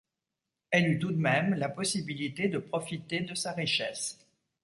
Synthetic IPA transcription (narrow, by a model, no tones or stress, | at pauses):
ɛlyt̪ud̪mɛmlapɔsibilit̪ed̪əpχɔfit̪ed̪əsaʁiʃɛs